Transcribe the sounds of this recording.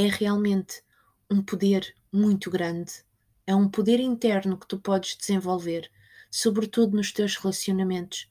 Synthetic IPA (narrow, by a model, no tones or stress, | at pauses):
ɛʁialˠmẽnt̪ | ũpuðeɾ | mũj̃t̪uɣɾɐ̃nd̪ | ɛũpuðeɾĩnt̪ɛɾnukɨ̥t̪upɔðʒ̥d̪ɨz̥ẽvolˠveɾ | suβɾɨt̪uðunuʃt̪ewʒʁɨlˠɐsiunɐmẽnt̪u̥ʃ